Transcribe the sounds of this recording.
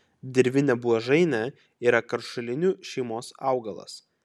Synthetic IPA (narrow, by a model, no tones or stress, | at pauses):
d̪ʲɛɾʲʋʲɪnʲɛbuɐʒɐɪnʲɛ | iːɾɐkɐɾʃʊlʲɪnʲuːʃʲɛɪmoːsɑˑʊɡɐlˠɐ̰s